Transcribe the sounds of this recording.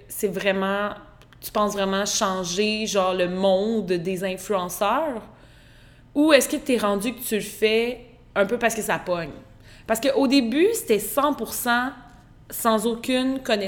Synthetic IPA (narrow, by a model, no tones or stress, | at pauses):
sɛvʁɛmɑ̃ | t̪y̥pɑ̃svʁɛmɑ̃ʃɑ̃ʒeʒɑ̃ːʁləmɔ̃d̪d̪ezɛ̃flyɑ̃sœːʁ | uɛskət̪ɛʁɑ̃d͡zykət̪ylfɛ | œ̃pøpaʁsəkəsapɔɲ | paʁsəkəʔod̪ebyse̥t̪ɛsɑ̃puʁsɑ̃ | sɑ̃zokʲynkɔnɛ